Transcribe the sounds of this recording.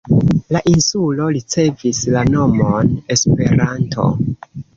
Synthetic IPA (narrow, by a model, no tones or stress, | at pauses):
laʔinsulo̞ɾit͡se̞vislano̞mone̞spe̞ɾantʰo̞̰